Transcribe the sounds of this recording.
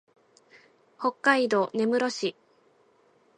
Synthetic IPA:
ho̞kːaid̪o̞ne̞mɯ̟ɾo̞ɕi

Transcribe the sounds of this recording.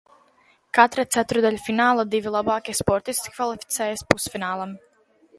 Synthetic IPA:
kat̪ɾat̪sæt̪ɾud̪aʎʲufinaːlˠad̪ivilˠabaːkʲispɔɾt̪iskʲi̥kvalˠifi̥t̪sɛːjɛspusfinaːlˠam

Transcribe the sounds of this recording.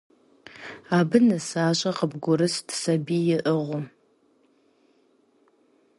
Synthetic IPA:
aːbɨnɐsaːɕʼɐqəbɡʷʊɾɨstʰsɐbiːjɪʔəʁʷʊ

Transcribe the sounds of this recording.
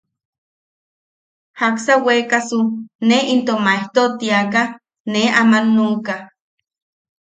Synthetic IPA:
haksawekasuneint̪omaeht̪ot̪iaka | neamanːuːka

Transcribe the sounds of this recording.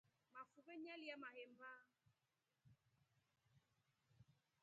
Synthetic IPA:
mafupeɲɛliamaɦem̩ba

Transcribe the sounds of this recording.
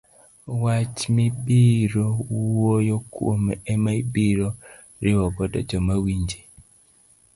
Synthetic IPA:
wat͡ʃmibiɾowwojɔko̰mɛmaibiɾɔ | ɾɪwɔɡɔdɔ̰d͡ʒɔmawiɲd͡ʒe

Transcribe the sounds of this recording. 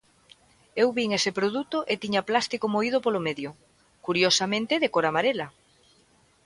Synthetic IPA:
ewβiŋesepɾoðut̪oʔet̪iɲaplast̪ikomoið̞opolomeðjo | kuɾjosamẽnt̪ɪðekoɾamaɾela

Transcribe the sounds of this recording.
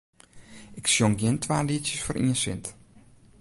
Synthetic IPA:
ʔɪksjoŋɡjɪntʰʋaːliətsjəsfoɾʔḭːənsɪ̰nt

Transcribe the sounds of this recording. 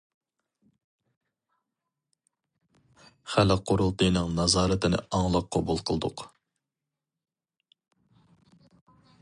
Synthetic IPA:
χælɪqʰːoɾulˠt̪ɨjnɨŋnɑzɑːɾɨt̪ʰɪnɪ̰ɑŋlˠɑqʰːɑbulˠqʰəlˠd̪ʊq

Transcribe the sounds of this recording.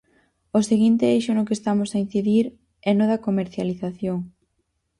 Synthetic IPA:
oseɣint̪ɪejʃʊnʊkest̪amʊsain̟θiðiɾ | ɛnoðɐkomeɾθjaliθaθjoŋ

